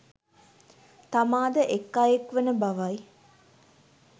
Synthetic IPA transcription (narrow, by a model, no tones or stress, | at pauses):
t̪amaːd̪əʔekːaːjekʋənəbaʋaj